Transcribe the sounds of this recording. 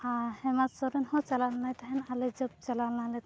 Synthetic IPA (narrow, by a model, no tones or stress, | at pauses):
ahɛmat̪sɔɾɛnhɔt͡ʃalalnajt̪aɦɛnalɛd͡ʒɔb̚t͡ʃalalnalɛt̪